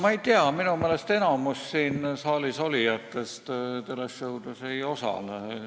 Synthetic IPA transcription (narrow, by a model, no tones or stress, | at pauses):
mɑejt̪eɑminumeːle̞st̪e̞nɑmussiːnsɑːliso̞lijɑt̪ːˑe̞st̪t̪elesjɤwd̪usejo̞sɑ̰l